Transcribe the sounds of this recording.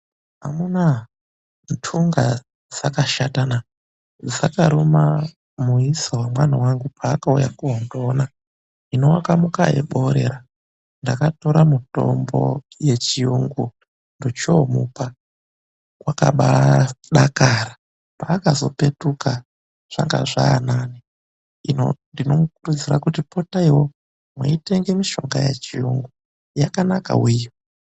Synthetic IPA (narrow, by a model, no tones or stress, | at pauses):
amuna | ntʰuŋɡa | d͡zakaʃatana | zakaɾoma | muisowamwanawaŋɡupʰaːkaujakuɦondoːna | ino̞wakamukaḛɓo̞ɾe̞̰ɾa | ndakato̞ɾamuto̞̰mbo̞̰ | je̞t͡ʃijuŋɡo | ndot͡ʃomupa | kwaka̰ɓaɗakara | paːkazo̞pe̞tuka | ʐ̥aŋɡa̰ʐaːnaːni | inondino̞mukurud͡zirakutipo̞taiwo | muite̞ŋɡe̞miʃo̞ŋɡajet͡ʃijuŋɡu | jakanaka̰wijo